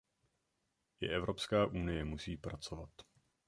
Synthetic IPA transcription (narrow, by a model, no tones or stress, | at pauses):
jɪ̰ʔɛvɾo̞pskaːʔunɪjɛmusiːpɾat͡so̞vat̪